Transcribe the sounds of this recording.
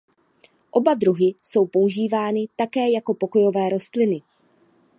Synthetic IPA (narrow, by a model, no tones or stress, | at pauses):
ʔo̞badɾuɦɪso̞wpouʒiːvaːnɪt̪akɛːjako̞po̞ko̞jo̞vɛːɾo̞st̪lɪnɪ